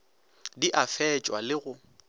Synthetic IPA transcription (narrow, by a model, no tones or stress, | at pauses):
diʔafɛt͡ʃʼwalɪɣʊ